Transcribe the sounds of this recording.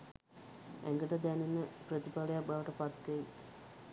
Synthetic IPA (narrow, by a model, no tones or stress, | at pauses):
æ̰ŋɡəʈəd̪ænenəprət̪ipaləjak̚baʋəʈəpat̪ːeji